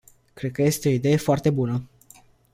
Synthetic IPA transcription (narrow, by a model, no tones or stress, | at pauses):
kɾe̞d̪̚kəje̞st̪eo̞id̪e̞je̞foart̪e̞bunə